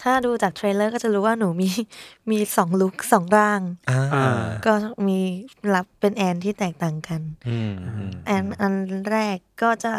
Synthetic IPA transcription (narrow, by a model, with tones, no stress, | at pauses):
t̪ʰaː˥˩duː˧t͡ɕaː˨˩k̚t̪ʰɾeː˧lɤː˥˩kɔː˥˩t͡ɕa˨˩ɾuː˦˥waː˥˩nuː˩˦miː˧miː˧sɔː˩˦ŋlu˦˥k̚sɔː˩˦ŋɾaː˥˩ŋa˧kɔː˥˩miː˧la˦˥pːe˧nʔɛː˧nt̪ʰiː˥˩t̪ɛː˨˩k̚t̪aː˨˩ŋka˧n | ʔɛː˧nʔa˧nɾɛː˥˩kːɔː˥˩t͡ɕa˨˩